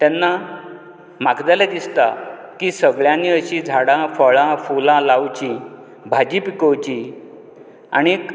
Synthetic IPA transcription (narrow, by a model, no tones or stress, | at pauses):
t̪janːa | makd̪alad̪ist̪akisəɡɭjãnːiəɕid͡zʱaɽãfəɭãfulãlawt͡ɕi | bʱad͡ʑipikəwt͡ɕi | a̰ɽ̃i